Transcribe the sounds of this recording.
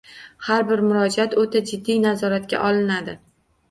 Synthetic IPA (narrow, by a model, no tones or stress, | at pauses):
haɾbɪɾmʊɾɒd͡ʒat̪ot̪ʰad͡ʒɪd̪ːijnazɒɾat̪̚kʲa̰ʔɒlɪnad̪ɪ